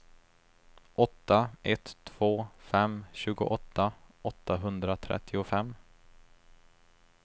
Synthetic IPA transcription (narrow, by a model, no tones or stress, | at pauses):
ʔɔt̪ːaɛt̪ʰːv̥oːfɛmɕʉ̟ːɡʊ̰ʔɔt̪ʰːaɔt̪ːaɦɵnd̪ɾat̪ʰɾɛ̰t̪ʰːɪʊfɛmː